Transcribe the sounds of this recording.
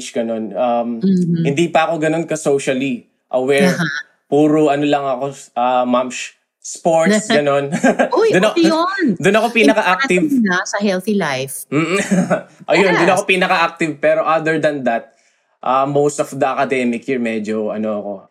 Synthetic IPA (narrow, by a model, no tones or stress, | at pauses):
t͡ʃɡɐno̞nʔɐmhɪnd̪iːpɐɐko̞ɡɐno̞nkɐsowʃɐli | ʔɐwɛɹ | puːɾoʔɐnolɐŋɐko̞ʔɐmamʃ | spoɹt̪sɡɐno̞njd̪ʊnɐond̪ʊnɐko̞pinɐkɐʔakt̪ɪvnasɐhɛlθilajfm̩ː | ʔɐjond̪ʊnɐkopinɐkɐʔak̚t̪ɪvpɛːɾo̞ʔad̪ɛɹd̪ɐnd̪ɐt̪̚ | ʔɐmowst̪ɔfd̪ɐʔɐkɐd̪ɛmɪkhiɹmɛd͡ʒoɐ̰noɐko̞